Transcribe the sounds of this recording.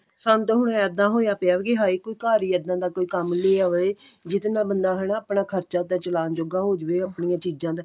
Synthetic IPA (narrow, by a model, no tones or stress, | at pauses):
sənt̪ɦʊɽ̃əd̪ãːɦoːjaːpeaːʋɡeɦaːiːkoːiːkaːɾiːəd̪ãːd̪aːkoːiːkəmleːaʋe | d͡ʒɪt̪nãːbənd̪aːɦɛnãːəpɳãːkʰəɾt͡ʃaːt̪at͡ʃəlaːnd͡ʒoːɡaːɦoːd͡ʒeːaːpɳiːãːt͡ʃiːd͡ʒãːd̪a